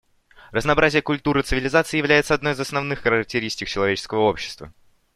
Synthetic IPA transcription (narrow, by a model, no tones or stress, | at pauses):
rəznɐːbɾʔazʲɪjəkʊlʲt̪uɾɨt̪sɨvʲɪlʲɪzat̪sɨɪjɪvlʲæjɪt̪səɐd̪nojɪzɐsnɐvnɨxxəɾək̚tʲɪɾʲisʲtʲɪk̚t͡ɕɪlˠɐvet͡ɕɪskəvəo̞pɕːɪ̥st̪və̰